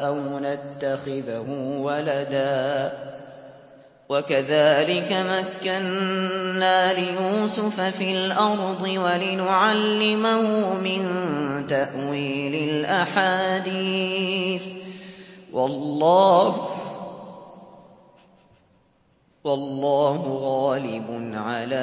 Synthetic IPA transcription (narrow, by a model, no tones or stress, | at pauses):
ʔawnat̪ːaxɪðhʊwalad̪aː | wakaðaːlɪkamakːanː | aːlɪjuːsʊfafilʔɑɾˤd̪ˤɨwalɪnʊʕalːɪmahʊmɪnt̪aʔwiːlɪlʔaħaːd̪iːθ | wʔɑlːɑːh | wɑlˤːɑːhʊɣaːlɪbʊnʕalaː